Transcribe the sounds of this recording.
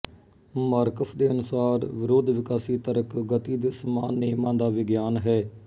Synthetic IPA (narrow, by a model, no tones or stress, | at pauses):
maːɾkəfʰd̪eːənʊsaːɾʋɪɾoːd̪ʋɪkaːsiːt̪əɾəkɡət̪iːd̪eːsəmaːnːeːmãːd̪aːʋɪɡjaːnɦɛː